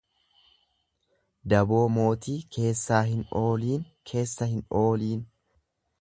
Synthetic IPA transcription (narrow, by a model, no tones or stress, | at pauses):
d̪ɐbo̞ːmo̞ːt̪iːkʰe̞ːsːaːɦɪno̞ːliːn | kʰe̞ːsːɐhɪno̞ːliːn